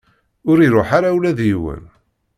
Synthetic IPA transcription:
ʊɾiɾoħaɾawlæðjiwə̰n

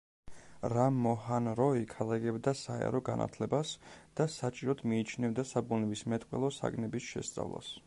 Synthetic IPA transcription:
ɾamːɔhanɾɔikʰalˠaɡɛbd̪asaɛ̰ɾɔɡa̰nʔa̰t̪ʰlɛbasd̪̥asat͡ʃʼiɾɔd̪ʰmiːt͡ʃʰnɛvd̪asabunɛbismɛt̪ʼqʼwɛ̰lˠɔsa̰ɡnɛbisʃɛ̰st̪sʼa̰vlˠa̰s

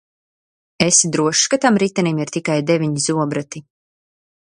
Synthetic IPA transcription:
esid̪ɾuɔʃkat̪amɾit̪animiɾt̪ikajd̪ɛvʲiɲizuɔbɾat̪i

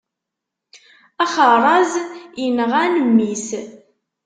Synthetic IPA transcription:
æχəɾˤɑzjənəʁænəmːis

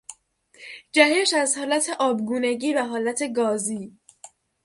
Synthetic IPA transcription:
d͡ʒæheʃæzhɒːlæt̪ʰe̞ʔɒːbɡuːneɟiːvæɦɒːlæt̪ʰe̞ɡɒːziː

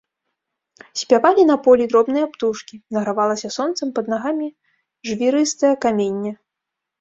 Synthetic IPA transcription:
sʲpʲavalʲinɐpɔlʲid̪ɾɔbnɨjɐpt̪uʂkʲinɐɣɾavalˠɐsʲɐsɔnt̪sɐmpɐd̪naɣamʲi | ʐvʲiɾɨst̪ɐjɐkamʲenʲːɐ

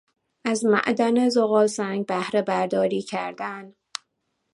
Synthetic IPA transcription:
ʔæzmæ̰ʔd̪ænezoɣɒːlsæŋɡ̚bæhɾe̞bæɾd̪ɒːɾiːcʰæ̰ɾd̪æn

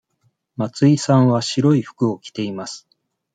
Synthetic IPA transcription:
mat͡sɨisãɰ̃βaɕiɾo̞iɸɯ̟̥kɯ̟o̞kʲi̥t̪e̞imasɨ̥

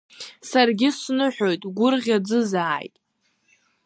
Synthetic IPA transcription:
sarɡʲɪsnɨħʷᶣo̞jtʼɡʷʊrʁʲad͡zɨzaːjtʼ

